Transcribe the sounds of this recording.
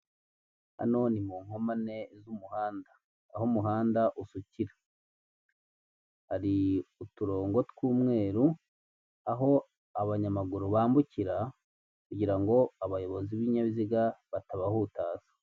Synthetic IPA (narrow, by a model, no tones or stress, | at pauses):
a̰no̞ːnimuːŋho̞mane̞zumuhaːnda | ahomuɦaːndaʔusuciɾḁ | haɾiutuɾo̞ːŋɡo̞tkuːmŋe̞ːɾu | aɦo̞ | aβaɲamaɡuɾuβaːmbuciɾa | kuɟiɾaŋɡo̞aβajo̞βo̞ziβiɲaβiziɡaβataβahutaːzḁ